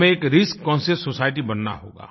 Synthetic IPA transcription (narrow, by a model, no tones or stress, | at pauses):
mẽeːkɾɪskːɔ̃ːnsesosaːɪʈibɐnna̰ɦo̰ːɡa̰ː